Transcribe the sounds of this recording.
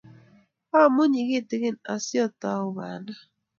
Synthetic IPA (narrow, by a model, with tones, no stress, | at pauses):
a˦˨mu˦ɲi˨ɣe˦˨tɪ˨ke˦na˨sjɔ˦˨ta˨˦ʊ˦βa̰˨na˦